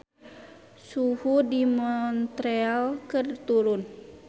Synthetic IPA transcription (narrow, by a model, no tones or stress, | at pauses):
suhudimɔnt̪ɾealkərt̪uɾʊn